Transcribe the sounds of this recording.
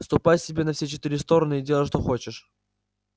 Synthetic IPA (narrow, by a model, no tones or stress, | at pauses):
st̪ʊpatʲsʲɪbʲenɐfsʲet͡ɕɪt̪ɨɾʲɪst̪o̞ɾənɨɪdʲelˠəʂ̬t̪oxo̞t͡ɕɪʂ